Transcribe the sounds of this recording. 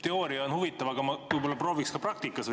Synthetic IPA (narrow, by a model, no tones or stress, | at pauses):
t̪e̞oːɾiɑonhuvit̪ːˑɑvɑɡ̥ɑmɑʋɨbolːɑproːvikskɑprɑk̚t̪ikːˑɑs